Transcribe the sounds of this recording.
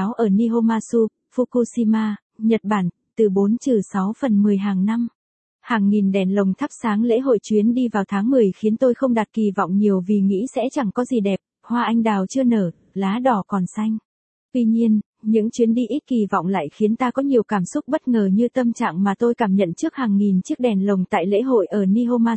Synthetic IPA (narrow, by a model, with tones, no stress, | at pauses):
a˨˦wʔəː˧˩ni˧ɦo˧maː˧su˧ | fu˧ku˧si˧maː˧ | ɲə˨˩t̚ɓaː˧˩n | t̪ɨ˨˩ɓo˨˦nt͡ɕɨ˨˩sa˨˦wfə˨˩nmɨ˨˩əjɦaː˨˩ŋna˧m | haː˨˩ŋːi˨˩nɗɛ˨˩nlə˨˩wŋ͡mt̪ʰa˦˥p̚saː˨˦ŋlḛ˧˥ɦo̰˧˨jt͡ɕwi˨˦ənɗi˧vaː˨˩wt̪ʰaː˨˦ŋmɨ˨˩əjxi˨˦ənt̪o˧jxə˧wŋ͡mɗa˨˩t̚ki˨˩vɔ̰˧˨wŋ͡mɲi˨˩əwvi˨˩ŋḭ˧˥sɛ̰˧˥t͡ɕa˨˩ŋkɔ˨˦zi˨˩ɗɛ˨˩p̚ | hwaː˧ʔa˧jŋ̟ɗaː˨˩wt͡ɕɨ˧ənəː˧˩ | laː˨˦ɗɔ˨˩kɔ˨˩nsa˧jŋ̟ | t̪wi˧ɲi˧ən | ɲɨ̰˧˥ŋt͡ɕwi˨˦ənɗi˧ʔi˦˥t̚ki˨˩v̰wŋ͡mla̰ː˧˨jxi˨˦ənt̪aː˧kɔ˨˦ɲi˨˩əwkaː˧˩msʊ˦˥k͡p̚ɓə˦˥t̚ŋəː˨˩ɲɨ˧t̪ə˧mt͡ɕa̰ː˧˨ŋmaː˨˩t̪o˧jkaː˧˩mɲə̰˧˨nt͡ɕɨ˦˥ək̚haː˨˩ŋːi˨˩nt͡ɕɨ˦˥ək̚ɗɛ˨˩nlə˨˩wŋ͡mt̪a̰ː˧˨jlḛ˧˥ɦo̰˧˨jʔəː˧˩ni˧ʔo˧maː˧